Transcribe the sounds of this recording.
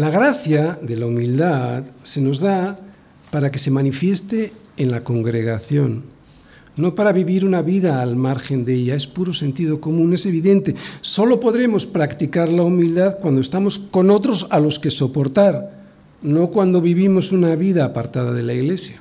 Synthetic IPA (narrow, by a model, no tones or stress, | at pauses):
laɣɾaθjaðe̞laumild̪aðse̞no̞zða | paɾake̞se̞manifje̞st̪e̞ː | nlako̞ŋɡɾe̞ɣaθjo̞nː | o̞paɾaβiβiɾunaβiðaːlmaɾxe̞nd̪e̞ʎae̞spuɾo̞se̞nt̪ið̞o̞ko̞mũne̞se̞β̞iðe̞nt̪e̞so̞lo̞po̞ðɾe̞mo̞spɾakt̪ikaɾlaumild̪aðkwand̪oe̞st̪amo̞sko̞no̞t̪ɾo̞salo̞ske̞so̞po̞ɾt̪aɾ | no̞kwand̪o̞βiβimo̞sunaβiðaːpaɾt̪að̞aðe̞laiɣle̞sja